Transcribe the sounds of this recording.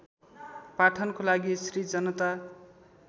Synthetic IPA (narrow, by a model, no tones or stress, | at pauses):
paʈʰʌnkolaɡisrid͡zʌnʌt̪a